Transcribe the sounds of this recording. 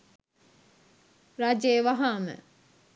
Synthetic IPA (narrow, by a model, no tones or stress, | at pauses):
ɾaːd͡ʒeːʋaɦaːmə̰